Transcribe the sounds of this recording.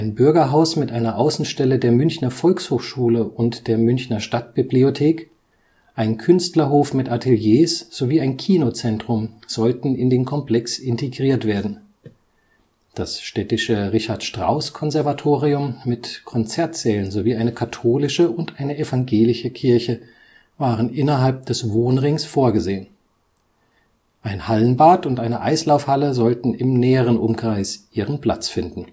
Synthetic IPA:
ʔaɪnbʏɐɡɐɦaʊsmɪtʔaɪnɐʔaʊsn̩ʃtɛlədeːɐmʏnçnɐfɔlkshoːxʃuːləʔʊntd̥eːɐmʏnçnɐʃtat̚b̥ibliotʰeːk | ʔaɪnkʰʏnstlɐɦoːfmɪtʔatʰeljeːsz̥oviːaɪnkʰiːnot͡sɛntʁ̥ʊmz̥ɔltn̩ɪndeːnkʰɔmpl̥ɛksɪntʰeɡʁiːɐtv̥eːɐdn̩ | d̥asʃtɛtɪʃəʁɪçaɐtʃtʁ̥a̰ʊskʰɔnzɛɐvatʰoːʁiʊmːɪtkʰɔnt͡sɛɐtz̥ɛːlənzoviːʔaɪnəkʰatʰoːlɪʃəʊntʔaɪnəʔɛfaŋɡeːlɪʃəkʰɪɐçə | vaːʁənʔɪnɐɦalp̚d̥ɛsvoːnʁɪŋsfoːɐɡəzeːən | ʔaɪnhalənbaːtʊntʔaɪnəʔaɪslaʊfhaləzɔltn̩ɪmnɛːəʁ̞ənʔʊmkʁ̥aɪsʔiːʁənpl̥a̰t͡sfɪndn̩

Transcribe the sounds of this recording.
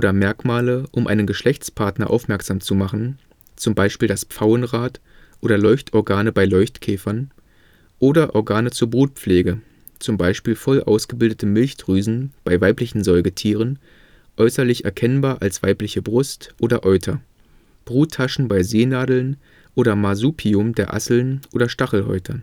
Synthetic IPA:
oːdɐmɛɐkmaːləʔʊmʔa̰ɪnənɡəʃlɛçt͡spʰaɐtnɐʔa̰ʊfmɛɐkz̥aːmt͡sumaχn̩ | t͡sʊmbaɪʃpiːldasp͡faʊənʁaːt | ʔoːdɐlɔʏçtɔɐɡaːnəbaɪlɔʏçtkʰɛːfɐn | ʔoːdɐʔɔɐɡaːnət͡suːɐbʁuːt̚pp͡fleːɡə | t͡sʊmbaɪʃpiːlfɔlʔa̰ʊsɡ̥əbɪldətʰəmɪlçd̥ʁyːzn̩b̥aɪvaɪplɪçn̩zɔʏɡətʰiːʁən | ʔɔʏsɐlɪçɛ̰ɐkʰɛnbaːɐʔalsv̥aɪplɪçəbʁʊstʔoːdɐʔɔʏtʰɐ | b̥ʁuːtʰːaʃn̩baɪzeːnaːdl̩n | ʔoːɾɐmazuːpʰiʊmdeːɐʔa̰sl̩nʔoːdɐʃtaχl̩hɔ̰ʏtʰɐ

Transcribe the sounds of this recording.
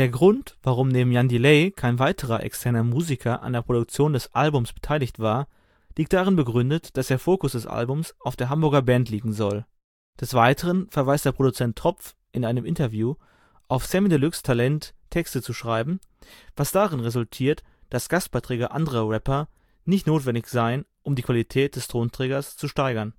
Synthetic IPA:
d̥eːɐɡʁʊntv̥aʁʊmneːbm̩jandileɪkʰaɪnvaɪtʰəʁɐʔɛ̰kstʰɛɐnɐmuːzikʰɐʔa̰ndeɐpʁ̥odʊk̚t͡sjoːndɛsʔalbʊmsb̥ə̥tʰaɪlɪçtv̥aːɐ | liːk̚t̚d̥aʁɪnbəɡʁʏndətd̥asd̥eːɐfoːkʊsd̥ɛsʔa̰lbʊmsʔaʊfd̥eːɐɦambʊɐɡɐbɛntʰliːɡŋ̩zɔl | d̥ɛsv̥aɪtʰəʁənfɛɐvaɪstd̥eːɐpʁ̥odut͡sɛntʰːʁ̥ɔpp͡f | ʔɪnaɪnəmʔɪntɐvjuː | ʔaʊfsɛmidəlʏkstʰalɛntʰːɛkstət͡suʃʁ̥aɪbm̩ | vasd̥aʁɪnʁezʊltʰiːɐtd̥asɡ̥ast̚b̥aɪtʁ̥ɛːɡɐʔandəʁɐʁɛpɐ | nɪçtnoːtv̥ɛndɪçz̥aɪənʔʊmdiːkv̥alitʰɛːt̚d̥ɛstʁ̥oːntʁ̥ɛːɡɐst͡suʃtaɪɡɐn

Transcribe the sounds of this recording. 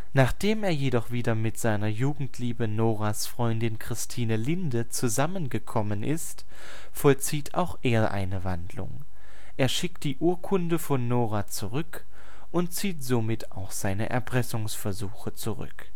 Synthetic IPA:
naːχd̥eːmeːɐjedɔχv̥iːdɐmɪtz̥aɪnɐjuːɡŋ̩tʰliːbənoːʁasfʁ̥ɔʏndɪnkʁ̥ɪstʰiːnəlɪndət͡suzamənɡəkʰɔmənʔɪst | fɔlt͡siːtʰa̰ʊxʔeːɐʔa̰ɪnəvandlʊ̰ŋ | ʔeːɐʃɪk̚t̚d̥iːʔuːɐkʰʊndəfɔnːoːʁat͡suʁʏk | ʊntt͡siːtz̥omɪtʰa̰ʊxz̥aɪnəʔɛ̰ɐpʁ̥ɛsʊŋsfɛɐzuːxət͡suʁʏ̰k

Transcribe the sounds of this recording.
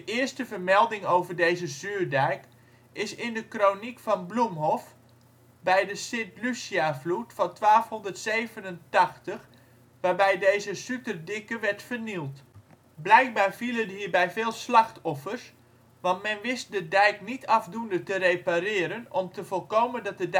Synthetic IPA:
dəʔɪərstəvərmɛlˠdɪŋowvərdejzəzyːrdɛjk | ɪsɪndəkronikfɑnblumɦɔf | bɛjdəsɪtlysiavlutfɑntʋaːfhɔndərtsejvənəntɑxtəx | ʋaːɹbɛjdejzəsytərdɪkəʋɛɹtfərnilˠt | blɛjk̚baːrv̥ilədɦiːɹbɛjvɪːlˠslɑxtɔfərs | ʋɑntmɛnʋɪst̚dədɛjknitʰɑvdundətərejparɪːəɾənɔmtəvɔlˠkowməndɑt̚dəd

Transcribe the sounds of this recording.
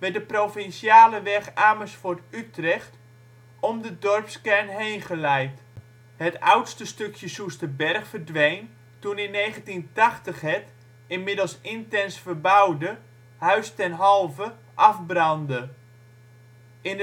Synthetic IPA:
ʋɛdəprofɪnsjaːləʋɛχaːməsfʊtytrɛχt | ɔmdədɔrpskɛrnɦejnχəlɛjt | hətawtstəstøkjəsustəbɛrχfərdʋejn | tunɪnːeːχəntintaχtəχɦɛt | ɪnmɪdəlˠsɪntɛnsfərbawdə | hœɥstɛnɦɑlˠvə | ʔɑfbrɑndə | ɪn

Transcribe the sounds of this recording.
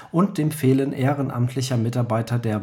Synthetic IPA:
ʔʊnt̚d̥eːmfeːlənʔeːʁənʔa̰mtʰlɪçɐmɪtaɐbaɪtɐdeːɐ

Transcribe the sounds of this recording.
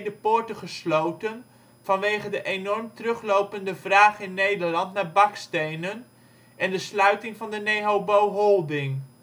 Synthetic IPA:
dəpʊːɹtəχəslowtən | v̥ɑnʋejχədəʔenɔrmtərɵχlowpəndəvraːχɪnːejdəɹlɑntnaːɹbɑkstejnən | ɛndəslœɥtɪŋvɑndənejɦowbowɦɔlˠdɪŋ

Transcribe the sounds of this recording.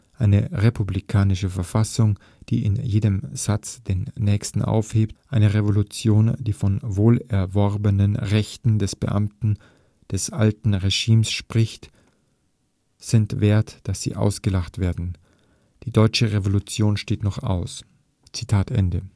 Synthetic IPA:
ʔaɪnəʁepʰublikʰaːnɪʃəfɛɐfasʊŋ | d̥ḭːɪ̰njeːdəmz̥at͡sd̥eːnːɛːçstn̩ʔa̰ʊfheːptʔaɪnəʁevolut͡sjoːnd̥iːfɔnvoːlɛɐvɔʁbənənʁɛçtn̩dɛsb̥ə̰ʔa̰mtn̩ | d̥ɛsʔa̰ltn̩ʁeʒiːmsʃpʁ̥ɪçt | z̥ɪntveːɐtd̥asz̥ḭːʔa̰ʊsɡ̥əlaχtv̥eːɐdn̩ | d̥iːdɔʏt͡ʃəʁevolut͡sjoːnʃteːtnɔχa̰ʊs | t͡sitʰaːtʰʔɛ̰ndə

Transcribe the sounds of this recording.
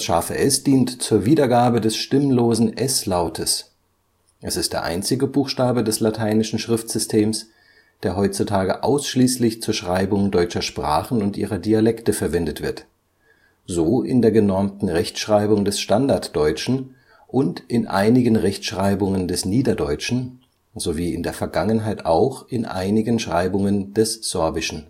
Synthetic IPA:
ʃaːfə̰ʔɛsd̥iːntt͡suːɐviːdɐɡaːbədɛsʃtɪmloːzn̩ʔɛslaʊtʰəs | ʔɛsɪstd̥eːɐʔa̰ɪnt͡sɪɡəbuːxʃtaːbədɛslatʰaɪnɪʃn̩ʃʁ̥ɪftz̥ʏstʰeːms | d̥eːɐɦɔʏt͡sutʰaːɡəʔa̰ʊsʃliːslɪçt͡suːɐʃʁ̥aɪbʊŋdɔʏt͡ʃɐʃpʁ̥a̰ːχn̩ʊntʔḭːʁɐdialɛktəfɛɐvɛndətv̥ɪɐt | zoːʔɪ̰ndeːɐɡənɔɐmtn̩ʁɛçtʃʁ̥aɪbʊŋdɛsʃtandaɐtd̥ɔʏt͡ʃn̩ | ʔʊntʔɪnʔa̰ɪnɪɡənʁɛçtʃʁ̥aɪbʊŋəndɛsniːdɐdɔʏt͡ʃn̩ | zoviːɪ̰ndeːɐfɛɐɡaŋənɦaɪta̰ʊxʔɪnʔa̰ɪnɪɡənʃʁ̥aɪbʊŋənd̥ɛsz̥ɔɐbɪʃn̩

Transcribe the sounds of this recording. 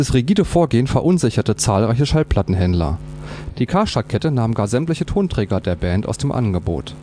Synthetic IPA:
d̥asʁiɡiːdəfoːɐɡeːənfɛɐʔʊnzɪçɐtət͡saːlʁaɪç̬əʃalpl̥atn̩ɦɛndlɐ̰d̥iːkʰaːʃakʰɛtənaːmɡaːɐzɛmtlɪçətʰoːntʁ̥ɛːɡɐdeːɐbɛːnta̰ʊsd̥eːmʔa̰nɡəbo̰ːt

